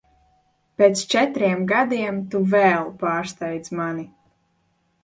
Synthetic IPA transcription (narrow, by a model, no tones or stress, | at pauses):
pʲeːt̪st͡ʃɛt̪ɾiɛmɡad̪iɛmt̪uvɛːlˠpaːɾst̪ajd̪mani